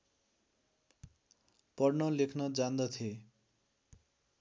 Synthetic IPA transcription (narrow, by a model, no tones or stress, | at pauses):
pʌɽnʌlekʰnʌd͡zand̪ʌt̪ʰie